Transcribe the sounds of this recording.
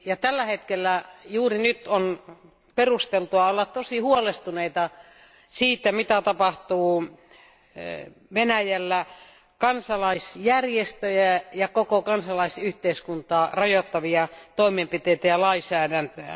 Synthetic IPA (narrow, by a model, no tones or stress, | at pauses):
jɑt̪ælːæhet̪kelːæjuːrinyt̪on | perust̪elt̪uɑolːɑt̪t̪osihuolest̪uneit̪ɑ | siːt̪ːæmit̪æt̪ɑpɑht̪uː | ʋenæjælːæ | kɑnsɑlɑisjærjest̪øjæjɑkokokɑnsɑlɑisyht̪eiskunt̪ɑːrɑjot̪ːɑʋiɑt̪oimempit̪eit̪æjɑlɑisæːdænt̪øæ̰